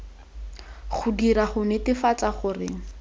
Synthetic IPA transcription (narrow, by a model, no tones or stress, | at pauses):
χʊdiraχʊnetɪfat͡saχʊːrɪ̰